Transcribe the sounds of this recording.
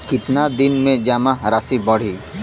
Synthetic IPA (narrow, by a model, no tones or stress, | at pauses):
kɪt̪nad̪ɪnmẽd͡ʒaːmaɾaːsibɐɽ̤i